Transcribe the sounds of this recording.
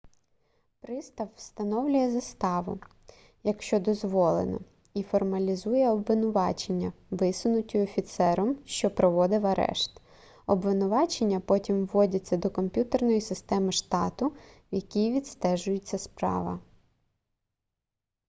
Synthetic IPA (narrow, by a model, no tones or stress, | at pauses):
pɾɪst̪ɐwwst̪ɐnɔwlʲʊjɛzɐst̪ɑʋʊ̰ | jɐkʃt͡ʃɔd̪ɔzʋɔlˠḛnɔ̰ | ifɔrmɐlʲizujɛɔbʋɪnʊʋɑt͡ʃe̞nʲːɐʋɪsʊnʊtʲʊɔfʲit̪sɛɾɔmʃt͡ʃɔpɾɔʋɔd̪ɪwɐɾɛ̰ʃt̪ | ɔbʋɪnʊʋɑt͡ʃenʲːɐpɔtʲimʋːɔdʲɐt͡sʲːɐd̪ɔkɔmʲpʲjut̪ernɔjisɪst̪ɛmɪʃt̪ɑt̪ʊ | jɐkʲijʋʲid̪st̪ɛʒʊjɪt͡sʲːɐspɾɑ̰ʋɐ̰